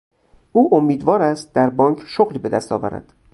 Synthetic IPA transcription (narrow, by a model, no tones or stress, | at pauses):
ʔuːʔomːiːd̪vɒːɾæst̪̚d̪æɾbɒːŋkʰʃoɣliːbe̞d̪æ̰st̪ʰɒ̰ːvæ̰ɾæ̰d̪̥